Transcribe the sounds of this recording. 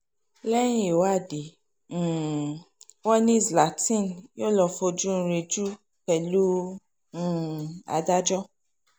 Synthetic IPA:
lɛ˦j̃ĩ˦e˨wa˦˨dẽ˨ | wɔ˦nĩ˦˨zla˨tĩ˦˨njo˦lɔ˧fo˧d͡ʒu˦ñ̩˧ɾe˧d͡ʒu˦ | pɛ˨lũ˦˨ | a̰˧da˦d͡ʒɔ˦

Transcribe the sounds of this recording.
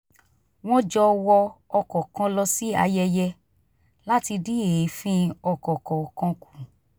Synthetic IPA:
w̃ɔ̃˦d͡ʒɔ˧wɔ˧ɔ˧kɔ̃˨kã˧lɔ˧si˦a̰˧jɛ˧jɛ˧ | la˦ti˧di˦e˨˦fĩ˦ɔ˧˨kɔ˨kɔ̃˨kã˧ku˨

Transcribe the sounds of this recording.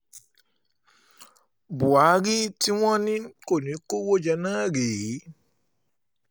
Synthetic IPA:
bu˨a˨˦ɾi˦ti˦w̃ɔ̃˦nĩ˦ko˦˨nĩ˨˦ko˦wo˦d͡ʒɛ˧nãː˦˨ɾeː˨˦

